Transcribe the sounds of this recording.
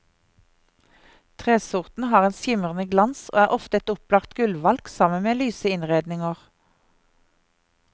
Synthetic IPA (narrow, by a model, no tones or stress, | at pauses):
t̪ʰʁeːsʊʁt̪n̩hɑːʁeːnsjɪməʁənəɡlɑnsʔo̰ːæːʔɔft̪əɛt̪ʊplɑːʁt̪ɡʉlʋɑlksɑmənmeːlyːsəɪnʁeːd̪nɪŋəʁ